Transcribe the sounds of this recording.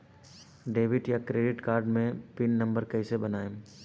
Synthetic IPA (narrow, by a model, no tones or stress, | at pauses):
ɖeːʋɪʈjakɾeːɖɪʈkaːɾɖmẽpɪnːɐ̃mbəɾkɐisebɐnaːẽ